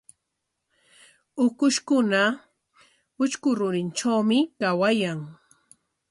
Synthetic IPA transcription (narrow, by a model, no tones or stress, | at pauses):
ʊkʊʃkʊna | ʊt͡ʃkʊɾʊɾɪnʈ͡ʂawmɪkawajaŋ